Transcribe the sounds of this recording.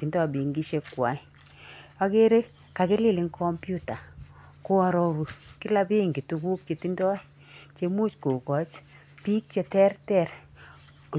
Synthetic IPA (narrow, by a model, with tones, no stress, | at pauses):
ti˨ndɔ˦˨bi˨ŋɡi˦ʃe˦kːwa˨ | a˦ke˦ɾe˦ | ka˨kɪ˦lɪ˦lɪ˨ŋkʰɔ˦mpju˦ta˨ | ko˦a˧ɾɔ˦ɾu˨ki˦la˦bi˦ŋɡi˨tu˧ku˦k̚t͡ʃe˨ti˦ndɔ˦ | t͡ʃe˦mu˦t͡ʃku˨kɔ˨t͡ʃ | pi˦k̚t͡ʃe˦tɛ˦rtɛ˦r | ku˨